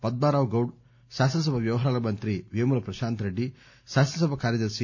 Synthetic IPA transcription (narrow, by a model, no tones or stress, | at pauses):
pɐd̪̚maːɾaːʋɡɐwɽ | ʃaːsɐɐs̬ɐbʱɐʋjɐʋɐɦɐɾaːlɐmɐnt̪ɾiʋimuɾɐpɾɐʃaːnt̪ɐɾeɖːi | ʃaːsɐnɐs̬ɐbʱɐkaːɾjɐd̪ɐɾʂi